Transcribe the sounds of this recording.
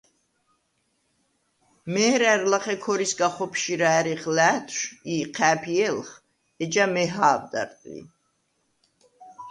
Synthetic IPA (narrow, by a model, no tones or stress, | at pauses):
mɛːɾæɾlaχɛkʰɔɾisɡaχɔpʰʃiɾaɛɾiχlæːt̪ʰʃiqʰæːpʰiɛlχ | ɛd͡ʒamɛɦaːvd̪a̰ɾt̪ʼḭ